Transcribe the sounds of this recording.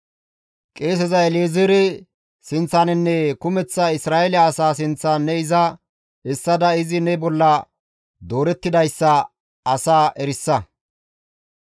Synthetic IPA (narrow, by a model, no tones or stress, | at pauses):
kʼeːs̬ɛzɐɛlezɪɾɛ | sɪnt͡sːɐnɪnːɛkʊmɛt͡sːɐɪsɾaːʔɛljɐːsaːs̬ɪnt͡sːanːɛɪzɐ | ɛsːɐd̪ɐɪzɪnɛbɔlːɐ | d̪o̞ːɾɛt̪ːɪd̪ɐjsːɐ | ɐsaːʔɛɾɪsːɐ